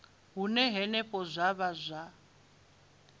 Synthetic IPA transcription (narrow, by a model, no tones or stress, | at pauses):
ɦunɛɦɛnɛpʼɔzʷaβazʷa